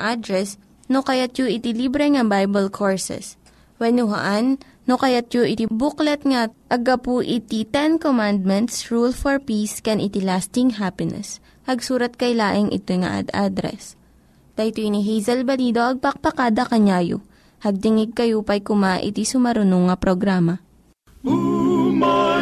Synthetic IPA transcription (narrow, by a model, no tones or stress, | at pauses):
ʔad̪ɾɛs | nokɐjat̪̚joʔɪt̪ɪlibɾɛŋɐbajbɐlkʰoɹsɛ̰s | wɛnʊɦa̰ʔanː | okɐjat̪̚joʔɪt̪ibʊklɐt̪̚ŋaʔɐɡɐpuʔɪt̪it̪ɛnkomand̪̚mɛnt̪sɹulfɔɹpiskɛnʔɪt̪ilast̪ɪŋɦapɪnɛ̰s | hɐɡsuːɾɐt̪̚kɐjlaːʔɪŋʔɪ̰t̪ojŋɐ̰ʔa̰d̪ʔa̰d̪ɾɛ̰s | t̪ɐjt̪ojniɦejzɐlbɐliːd̪oʔɐɡ̚pɐk̚pɐkaːd̪ɐkɐɲaːjo̰ | hɐɡ̚t̪ɪŋɪɡ̚kɐjopɐjkʊmaʔɪ̰t̪isʊmɐɾʊnoŋːɐpɾoɡɾaːmɐ